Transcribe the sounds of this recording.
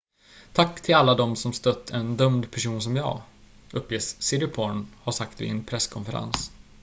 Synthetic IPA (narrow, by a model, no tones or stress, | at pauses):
t̪ʰakːt̪ʰɪlalːad̪ɔmsɔmst̪œt̪ʰːɛnd̪œmd̪pʰæʂuːns̬ɔmjɑ̰ː | ɵpːjesːɪɾɪpʰɔɳhaʂakt̪vɪ̰ɛnpʰɾɛskʰɔnfəɾa̰ns